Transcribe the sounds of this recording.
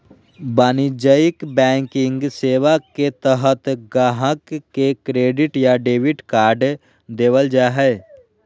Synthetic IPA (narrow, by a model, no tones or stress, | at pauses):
baːnid͡ʒəɪkbɛ̃ːŋkɪ̃ŋɡseːʋaket̪əɦət̪ɡaːɦəkːekɾeːɖɪʈjaɖeːʋɪʈkaːɾɖ | d̪eːwəld͡ʒaɦɛ